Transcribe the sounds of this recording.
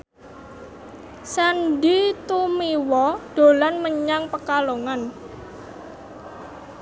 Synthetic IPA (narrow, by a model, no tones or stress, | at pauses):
sandit̪umiwɔɖ̪̥o̤lanməɲaŋpəkaloŋan